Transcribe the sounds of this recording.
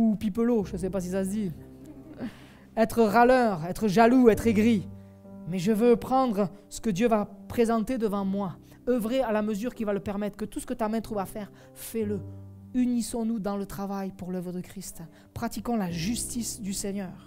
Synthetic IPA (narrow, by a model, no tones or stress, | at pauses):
upipəloʒəs̬ɛpas̬isasd̪i | ɛt̪χəʁalœʁɛt̪χəʒaluɛt̪χeɡʁi | mɛʒəvøpχɑ̃d̪ʁəsə̥kəd̪jøvapχezɑ̃t̪ed̪əvɑ̃mwa | œvʁealaməzyʁkʲivaləpɛʁmɛt̪χəkət̪usə̥kət̪amɛ̃t̪χuvafɛʁ | fɛləynisɔ̃nud̪ɑ̃lət̪χavajpuʁlœvʁəd̪əkχist̪ | pχat̪ikɔ̃laʒyst̪isd̪ysɛɲœːʁ